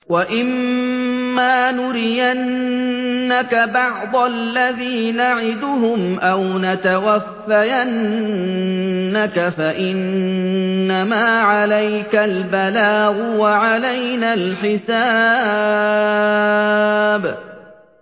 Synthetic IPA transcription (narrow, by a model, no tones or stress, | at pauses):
waʔɪmː | aːnʊɾɪjanː | akabɑʕd̪ˤɑllːaðiːnaʕɪd̪ʊɦʊmʔawnat̪awafːajan | akafaʔɪnː | amaːʕalajkalbalaːɣʊwaʕalajnaːlħɪsaː | b